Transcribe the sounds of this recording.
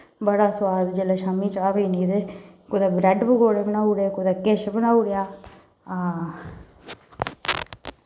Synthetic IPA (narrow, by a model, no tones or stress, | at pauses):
bəɽaːsʊwaːd̪d͡ʒelaːʃaːmiːt͡ʃaːbiːniːd̪eː | kʊd̪aːbɾɛɖbəɡoːɽebənaːuɽeːkʊd̪aːkɪʃbənaːuɽjaː | aː